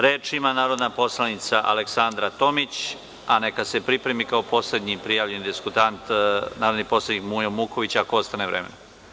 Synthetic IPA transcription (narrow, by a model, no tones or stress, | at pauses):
ɾeːt͡ʂimanaːɾo̞d̪napo̞slˠanit̪saʔa̰leksand̪ɾat̪o̞mit͡ɕ | ane̞kasepɾipɾemikaopo̞sle̞d̪ɲipɾijaːʋʎe̞nid̪iskut̪ant̪naːɾod̪nipo̞slaɲikmuːjomuko̞ʋit͡ɕakoost̪aneʋɾeme̞̰no